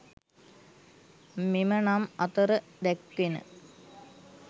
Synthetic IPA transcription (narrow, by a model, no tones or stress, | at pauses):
mimənamɐt̪əɾə | d̪ɛkʋenə̰